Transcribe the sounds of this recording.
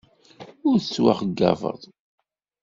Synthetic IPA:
ʊɾθət͡sːwa̰χəɡːɑ̰və̰ðˤ

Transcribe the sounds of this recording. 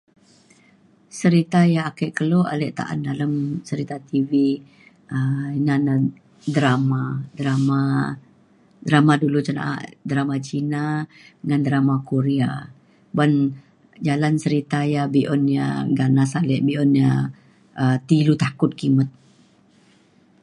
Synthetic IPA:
səɾit̪ajaːkəʔkəloʔa̰lɛʔt̪a̰ʔa̰ndaləmsəɾit̪at̪ivi | əinanə | dɾamadɾama | dɾamadulut͡ʃana̰ʔa̰ʔdɾamat͡ʃinaəŋandɾamakuɾea | ban | d͡ʒalansəɾit̪ajabiʔɔnja̰ɡanasalɛʔbiʔɔnja | ət̪ilut̪akʊt̪̚kimət̪̚

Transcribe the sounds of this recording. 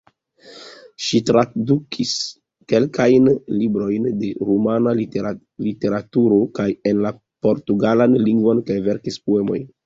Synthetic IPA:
ʃitɾadukʰis | ke̞lkajnlibɾo̞jnde̞ɾumana | lite̞ɾatuɾo̞kaje̞nla | po̞ɾtuɡalanliŋɡvo̞nkajve̞ɾkispoe̞mo̞̰jn

